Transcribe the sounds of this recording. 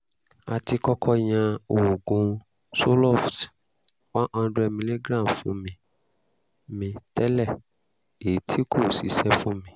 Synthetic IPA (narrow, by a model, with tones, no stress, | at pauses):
a˧ti˧kɔ˦kʰɔ˧j̃ã˧o˨ɡũ˨˦ | so˦lɔ˦˨ft | wã˦ʔã˧˦dɛ˧mĩ˧le˦ɡɾã˦˨fũ˨˦mĩ˧ | mĩ˧tɛ˦lɛ˦˨ | e˨˦tʰi˦kʰo˦˨si˨˦sɛ˦fũ˦mĩ˦